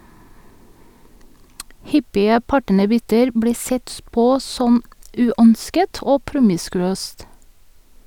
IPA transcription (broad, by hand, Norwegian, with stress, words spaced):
ˈhʏpɪə ˈpɑʈənəˌbʏtəɾ ˈbɽiː ˈsɛt ˈpoː ˈsɔm ˈʉːœnskət ˈoː ˈpɾʊmɪskʉˌøːst